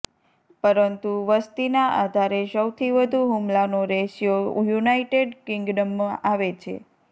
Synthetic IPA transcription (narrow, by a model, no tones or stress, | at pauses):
pəɾənt̪uʋəst̪inaʔad̪ʱaɾesəwt̪ʰiʋəd̪ʱuɦumlanoɾeʃijojunaiʈeɖkɪŋɡɖəmːəʔaʋet͡ʃʰḛ